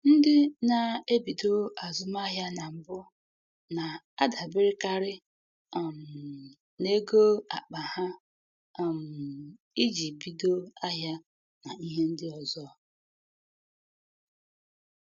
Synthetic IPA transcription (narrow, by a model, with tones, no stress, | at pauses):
n̩˦dɪ˦na˨e˦bi˨do˦a˨zʊ˨m˦a˦ɦja˦na˨m̩˨bʊ˦ | na˨ | a˦da˨bɪ˦ɾɪ˦ka˦ɾɪ˦˨ | m˨ | ne˦ɡo˦a̰˨k͡pa˨ha˦˨ | m̩˨ | i˦d͡ʒi˨bi˨do˦a˦ɦja˦ | na˨i˦ɦe˦n̩˦dɪ˦ɔ˨zɔ˦˨